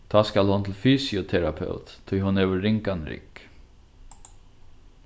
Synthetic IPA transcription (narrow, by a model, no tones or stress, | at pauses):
d̪̥ɑːskalhʊnt̪ʰlfyːsɪʊt̪ʰɛɾapʰœ̰ʊt̪t̪ʰːʏːhʊnøːʋəːɪŋkanɾɪ̰k